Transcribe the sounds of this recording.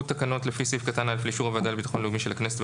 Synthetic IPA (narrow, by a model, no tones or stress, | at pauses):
tːakano̞tlefisifkatanalfliʃuʁavad̪albit̪ḁxo̞nluɡmiʃelakneset̪v